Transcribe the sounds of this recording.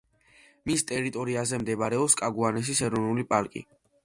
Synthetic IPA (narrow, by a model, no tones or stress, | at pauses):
mist̪ʼɛɾit̪ʼɔɾiazɛmd̪ɛbɾɛɔpskʼaɡuanɛs̬isɛɾɔnulipʼaɾkʼḭ